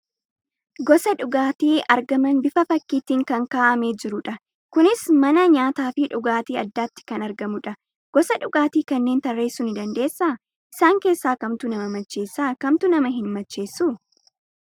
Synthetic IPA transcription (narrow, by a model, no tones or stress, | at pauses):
ɡɔsɐᶑʊɡaːt̪iːʔɐɾɡɐmɐnbɪfɐfɐkːiːt̪iːŋkɐŋkaːʔɐmeːd͡ʒɪɾʊᶑɐ | kʊnɪsmɐnɐɲaːt̪aːfɪᶑʊɡaːt̪iːɐd̪ːaːt̪ːɪ̥kɐnɐɾɡɐmʊᶑɐ | ɡ̥ɔsɐᶑʊɡaːt̪iːkɐnːe̞ːnt̪ɐrːe̞ːsːʊnɪd̪ɐnd̪e̞ːsːaː | ʔɪsaːŋke̞ːsːaːkɐmt̪ʊnɐmɐmɐt͡ʃːe̞ːsːaːkɐmt̪ʊnɐmɐɦɪnmɐt͡ʃːe̞ːsːʊ